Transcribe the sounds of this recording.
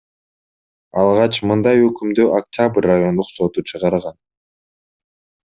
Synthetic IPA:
ɑlˠʁɑt͡ʃmɯnd̪ɑjø̞kymd̪øʔakt̪ʲabrʲːajo̞nd̪uqso̞t̪ut͡ʃʰɯʁɑɾʁɑn

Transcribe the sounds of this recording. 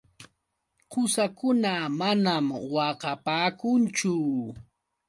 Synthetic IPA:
qʰʊsakʊnamanamwɑqɑpaːkʊnt͡ʃʊ

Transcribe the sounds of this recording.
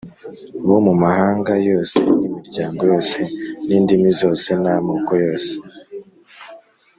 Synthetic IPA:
βomumahaːŋɡajo̞ːsḛnimiɾɟaːŋɡo̞jo̞ːse̞niːndimizo̞ːse̞namoːkojo̞ːse̥

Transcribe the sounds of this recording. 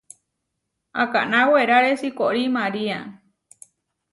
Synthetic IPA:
a̰ka̰naweɾaɾesikoɾimaɾia

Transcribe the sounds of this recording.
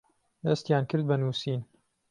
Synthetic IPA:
d̪ɐst̪jaːnkɨɾd̪̚bɐnuːsiːn

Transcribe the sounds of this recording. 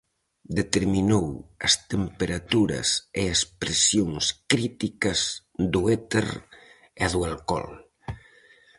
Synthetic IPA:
d̪et̪eɾminowəst̪empeɾat̪uɾɐ̰seespɾesjonskɾit̪ikɐz | d̪uet̪ḛɾ | eðualkɔ̰l

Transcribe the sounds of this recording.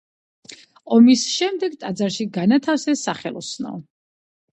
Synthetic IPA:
ɔmisʃɛmd̪ɛɡt̪ʼad̪zaɾʃiɡanat̪ʰafsɛsaχɛ̰lˠɔ̰snɔ̰

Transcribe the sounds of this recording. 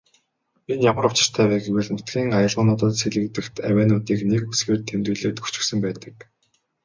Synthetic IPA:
enjamə̆ɾʊwʰt͡ɕɪ̆t͡ɕt̪ʰæːwæːɡeweːɮnʊt̪ɡʲiːŋajə̆ɮʁʊ̆ːnʊt̪ə̆t̪seɮɘ̆k̚t̪ɘ̆kt̪ʰæwæːnʊt̪iːknekusxeːrt̪ʰːemt̪ujɮeːt̪̚ɡu̥t͡ɕɪ̆ksɘ̆mpæːt̪ə̥̆k

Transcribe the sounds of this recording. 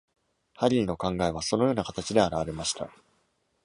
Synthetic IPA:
haɾʲiɾʲino̞kãŋɡae̞β̞aso̞nojo̞ːnakat̪at͡ɕid̪e̞aɾaβaɾe̞maɕi̥t̪a̰

